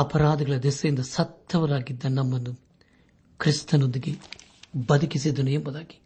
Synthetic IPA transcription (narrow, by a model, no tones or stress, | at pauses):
ɐpɐɾaːd̪ɐɡɐɭɐd̪ɛsɐjind̪ɐsɐt̪ːɐʋɐɾaːɡid̪ːɐnɐmːɐnːu | kɾist̪ɐnund̪iɡe | bɐd̪ʱɐkisid̪ːɐnuembɐd̪aːɡi̥